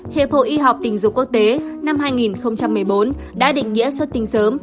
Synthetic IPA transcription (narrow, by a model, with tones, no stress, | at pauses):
hḛ˧˨pfʰo̰˧˩ʔi˧ɦa˨˩k͡p̚t̪ï˨˩ŋ̟zʊ̰˧˨ŋ͡mku˦˥ək̚t̪e˨˦na˧mɦaː˧jŋi˨˩nxə˧wŋ͡mt͡ɕa˧mːɨ˨˩əjɓo˨˦n | ɗa̰ː˧˥ɗḭ̈˧˨ŋ̟ŋḭ˧˥əswə˦˥t̚t̪ï˨˦ŋ̟səː˨˦m